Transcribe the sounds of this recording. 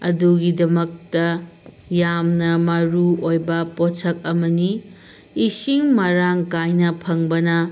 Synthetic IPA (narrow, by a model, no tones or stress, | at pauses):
ɐ̰duɡidɐmɐk̚tɐ | jamnɐmɐɾuojbɐpot͡ʃʰɐk̚ɐmɐniː | siŋmɐɾaŋkajnɐpʰɐŋbɐnɐ